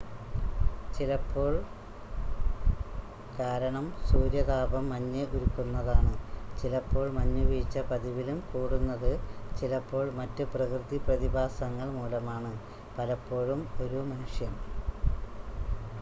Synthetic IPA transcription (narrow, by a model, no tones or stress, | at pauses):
t͡ɕilɐpːo̞ːɭ | kaːɾɐɳɐmsuːɾjɐðaːbɐmːɐɲːɐʔuɾukːunːɐðaːɳɨt͡ɕilɐpːo̞ːɭmɐɲːuʋijt͡ɕːɐpɐðiʋilumkuːɽunːɐðɨt͡ɕilɐpːo̞ːɭmɐtːɨprɐkrɨt̪iprɐðibaːsɐŋːɐɭmuːlɐmaːɳɨ | pɐlɐpːo̞ːɻumo̞ɾumɐnuʂjɐn